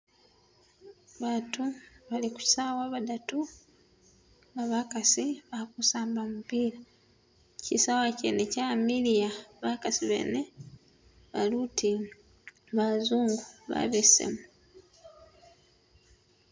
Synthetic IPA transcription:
βaːtuβaliku̥sawaβadatu | βaβakasiβakusaːmbamupiːɾa | cisawacḛnecamilijaβakasiβḛːne | βaluti | βazuːŋɡuβa̰βesḛmu

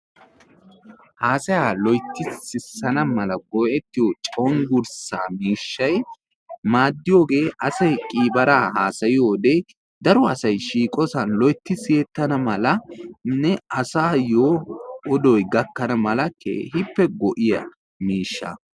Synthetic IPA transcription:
haːsɐjalɔjt̪ːɪsɪsɐnɐmɐlɐɡɔʔɛt̪ːɪjot͡ʃʼɐwɔnɡʊɾsa̰ːmiːʃːɐj | maːd̪ːɪjo̞ːɡe̞ːʔɐsɐjkʼiːbɐɾaːhaːsɐjɪjoːd̪e | d̪ɐɾɔɐsɐjʃiːkʼɔsɐnlɔjt̪ːɪsjeːt̪ːɐnɐmɐlɐnɛɐsaːjoːɔd̪ɔjɡɐkːɐnɐmɐlɐkʰːḛːhɪpːɛɡɔʔɪjɐ̰ | miːʃːɐ̰

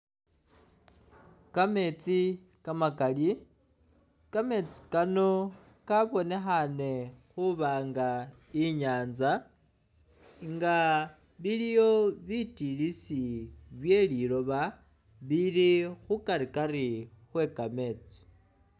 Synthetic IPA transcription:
kame̞t͡si | kamakali | kame̞t͡si̥kano̞ | kaβo̞ne̞xane̞xuβaːŋɡa | iɲaːnza | ŋɡa | βilijo̞βitilisiβje̞liɾo̞βa | βiɾixukaɾikaɾi | xwe̞kame̞ːt͡si̥

